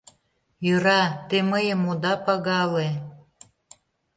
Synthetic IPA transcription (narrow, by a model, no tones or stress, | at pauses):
jøɾɑt̪eməjəmod̪ɑpɑɣɑle